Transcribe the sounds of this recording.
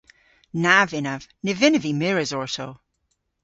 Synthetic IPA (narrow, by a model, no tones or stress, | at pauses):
navɪnav̥nɪvɪnəvimɪɹɪzɔɹso